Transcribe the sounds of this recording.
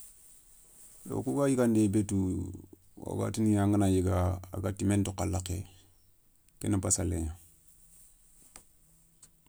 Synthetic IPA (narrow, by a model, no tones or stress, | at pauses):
do̰kuɡajiɡandebetu | wa̰ɡa̰tinijaŋɡənajiɡaa̰ɡatimentukalake | kenabasalḛɲa